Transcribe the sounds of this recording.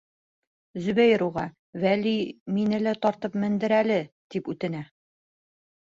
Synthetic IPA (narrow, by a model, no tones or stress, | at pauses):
zɵ̆βæjɾuʁɑ | væliminɘ̆læt̪ɒɾt̪ɤpmɘ̆nd̪ɘ̆ɾælɘ | t̪ipʉt̪ɘ̆næ